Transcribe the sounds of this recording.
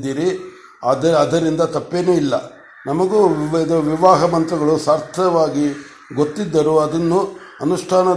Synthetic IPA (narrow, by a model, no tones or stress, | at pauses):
d̪iːɾi | ɐd̪ɐɐd̪ɐɾind̪ɐt̪ɐpːeːneːilːɐ | nɐmɐɡuɐd̪ɐɾʋiʋaːɦɐmɐnt̪ɾɐɡɐɭusaːɾt̪ʰɐʋaːɡi | ɡot̪ːid̪ːɐɾuɐd̪ɐnːu | ɐnuʂʈʰaːnɐ